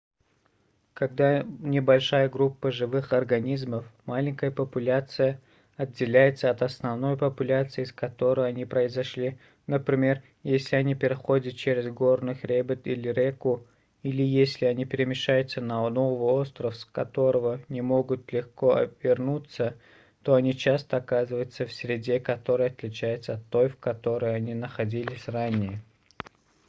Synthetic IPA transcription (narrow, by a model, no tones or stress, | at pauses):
kɐɡd̪anʲɪbɐlʲʂajəɡɾupːəʐɨvɨxɐrɡɐnʲizməfmalʲɪŋʲkəjəpəpʊlʲat̪sɨjə | ɐdʲːɪlʲæjɪt̪səɐt̪ɐsnɐvno̞jpəpʊlʲat̪sɨɪskɐt̪o̞ɾɨjɐnʲipɾəɪzɐʂlʲi | nəpɾʲɪmʲe̞r | jesʲlʲɪɐnʲipʲɪɾʲɪxo̞dʲət̪̚t͡ɕeɾʲɪzɡo̞rnɨxɾʲebʲɪt̪ilʲɪɾʲekʊ | ilʲɪjesʲlʲɪɐnʲipʲɪɾʲɪmʲɪʂajʊt̪sənɐnovvəo̞st̪ɾəfskɐt̪o̞ɾəvənʲɪmo̞ɡʊt̪lʲɪxko̞ʔɐ̰vʲɪrnut̪sə | t̪o̞ɐnʲit͡ɕast̪əɐkazɨvəjʊt̪səfsʲɾʲɪdʲe̞kɐt̪o̞ɾɨjɐt̪lʲɪt͡ɕæjʊt̪səɐt̪ːo̞jfkɐt̪o̞ɾɨjɐnʲinəxɐdʲilʲɪsʲranʲɪjə